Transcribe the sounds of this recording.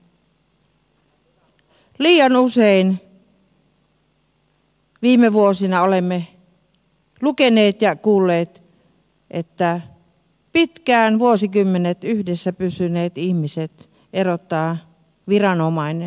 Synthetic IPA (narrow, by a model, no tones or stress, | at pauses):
liːjɑnusein | ʋiːmeʋuosinɑolemːe | lukeneːt̪jɑkuːlːeːt̪ | ʔet̪ːæ | pit̪kæːnʋuosikymːenet̪yhdesːæpysyneːt̪ihmiset̪ | ʔerot̪ːɑː | ʋirɑnomɑinen